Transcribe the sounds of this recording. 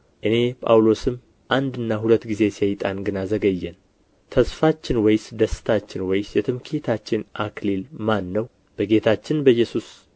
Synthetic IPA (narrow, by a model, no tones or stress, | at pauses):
ʔɨne̞pʼa̰wlo̞sɨm | ʔand̪ɨnːaɦulət̪ːɡize̞sajt̪ʼanɡɨnazəɡəjːɛn | t̪ʰəsfat͡ʃːɪnwɔjsd̪əsɨ̥t̪ʰat͡ʃːɪnwɔjsjɛt̪ʰɨmkʰet̪ʰat͡ʃːɪnʔaklilmanːəw | b̥əɡe̞t̪ʰat͡ʃːɪnbəjːɛsus